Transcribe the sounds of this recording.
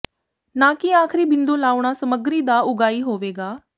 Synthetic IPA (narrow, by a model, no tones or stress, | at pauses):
naːkiaːkʰɾiːbɪnd̪õːlaːʊɽ̃aːsəməɡɾiːd̪aːʊɡaːiːɦoːʋeːɡaː